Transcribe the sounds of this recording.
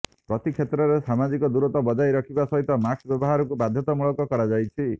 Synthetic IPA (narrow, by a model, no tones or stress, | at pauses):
pɾɔt̪ikʰjet̪ɾɔɾesamad͡ʒikɔd̪uɾɔt̪ɔbɔd͡ʒajɾɔkʰibasɔɦit̪ɔmaksbjɔbɔɦaɾɔkubad̪ʱjɔt̪ɔmuɭɔkɔkɔɾad͡ʒajt͡ʃʰi